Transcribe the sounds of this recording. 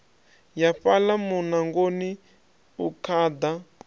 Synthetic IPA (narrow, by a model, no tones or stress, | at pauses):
jaɸalamunaŋɡoni | ukʰad̪a